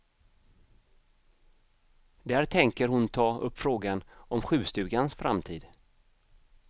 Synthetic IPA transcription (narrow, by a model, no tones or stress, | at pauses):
d̪æːɾt̪ʰɛŋkəɾhʊnt̪ʰɑːɵpːfɾoːɡanɔmɧʉ̟ːst̪ʉ̟ːɡansfɾa̰mt̪ʰiːd̪